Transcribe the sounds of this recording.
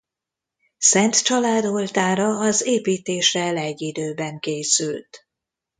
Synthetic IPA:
sɛnt̪t͡ʃɒlaːd̪o̞lt̪aːɾɒːzeːpiːt̪eːʃrɛlɛɟːid̪øːbɛŋkeːsylt̪

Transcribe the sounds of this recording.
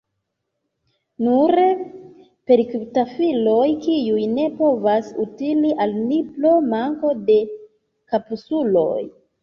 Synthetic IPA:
nuɾe | pe̞ɾiktafilo̞jkiujne̞po̞vasutiliʔalniplo̞maŋko̞de̞ | kapusulo̞̰j

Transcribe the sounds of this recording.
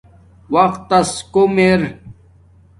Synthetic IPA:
wɐqt̪ːɐskomeɾ

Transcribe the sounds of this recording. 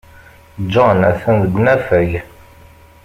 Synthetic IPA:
d͡ʒɑnæ̰θænðəɡʷnæfəj

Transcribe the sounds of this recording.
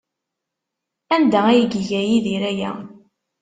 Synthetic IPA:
ænd̪ææjəɡəʝæjiðiɾæjæ̰

